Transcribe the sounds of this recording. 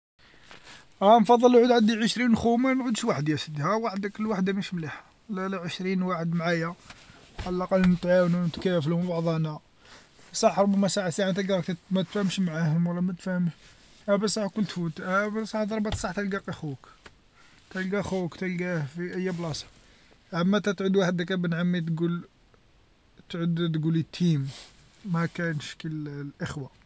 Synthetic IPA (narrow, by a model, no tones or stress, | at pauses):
ʔænfɑd̪ˤːəlʕud̪ʕad̪iʕəʃɾinxumæmʕud̪ʃwaħəd̪jæsəd̪hæwaħəd̪akəlːwaħd̪aməʃmliħḁ | lːælæʕəʃɾinwaħəd̪mʕajæ | ʔallʔɑqɑlːnət̪ʕawnunt̪kæflmbɑʕd̪ˤɑnæ | sˤɑħɾˤʊbːæmæsˤaʕat̪saʕat̪ælɡkt̪mæt̪fæhəmʃmʕahəmwəlːæmæt̪fæhəmʃ | ʔæbəsˤɑħkʊlːt̪fut̪æbsˤɑħd̪ˤɑɾˤbɑt̪sˤɑħt̪ælɡæqæxuk | t̪ælɡæʔxukt̪ælɡæfiʔæjːæblɑsˤɑ̥ | ʕamːæt̪æt̪ʕʊd̪waħəd̪ækæbənʕamːit̪ɡul | t̪ʕʊd̪t̪̬ɡulit̪ʰːimː | ækænʃkəllʔəxwa